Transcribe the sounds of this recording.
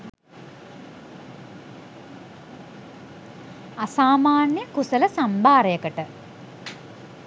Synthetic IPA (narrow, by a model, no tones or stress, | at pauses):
asaːmaːnjəkusələsambʱaːɾəjəkəʈə